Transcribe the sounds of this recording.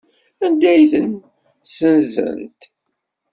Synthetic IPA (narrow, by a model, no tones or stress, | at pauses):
ænd̪æjθən | sənzə̰nt̪